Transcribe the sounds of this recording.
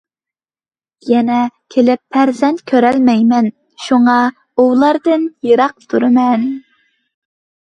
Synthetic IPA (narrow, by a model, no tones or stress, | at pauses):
jɛnɛkʲʰelɪpʰːæɾzɛnt̪kʲʰøɾɛlmɛjmɛn | ʃuŋɑ | ulˠɑɾd̪ɨnjɨɾɑq̚t̪ʰuɾɨmɛn